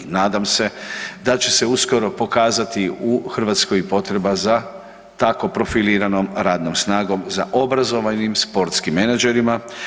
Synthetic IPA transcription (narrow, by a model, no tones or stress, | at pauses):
naːd̪amse̞d̪at͡ʃe̞se̞usko̞ɾo̞po̞kaːzat̪iuxr̩ʋat̪skojipo̞t̪ɾe̞baza | t̪ako̞pɾo̞filiːɾanomɾaːd̪nomsnaːɡo̞mzaʔo̞bɾazo̞ʋanimspo̞ɾt̪skimːe̞nad͡ʒe̞ɾima